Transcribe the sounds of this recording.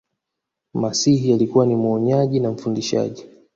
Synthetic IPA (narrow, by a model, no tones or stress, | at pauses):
masihijalikuwanimwɔɲaʄinam̩fundiʃa̰ʄi